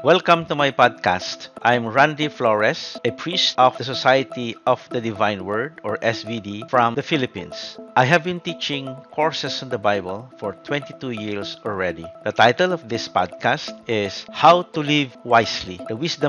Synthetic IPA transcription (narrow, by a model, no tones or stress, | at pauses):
wɛlkɐ̃mt̪umajpad̪̚ka̰st̪ʔãjmɹãnd̪iflɔɹɛsɛpʰɹist̪ʔɔfdəsɔsajət̪iʔɔfd̪ɐd̪ɪvãjnwɜ˞d̪ɔɹʔɛsbid̪ifɹɔ̃md̪ɐfilɪpḭ̃nsʔajɦævbĩnt̪it͡ʃɪ̃ŋkʰɔɹsɛsɪ̃nd̪əbajbəlfɔɹt̪wɛ̃nt̪it̪ujiɹsɔlɹɛd̪id̪ət̪ajt̪ɛlɔvd̪ɪspa̰d̪̚kast̪ɪshawt̪ulivwajslḭd̪əwɪsd̪ɐ̃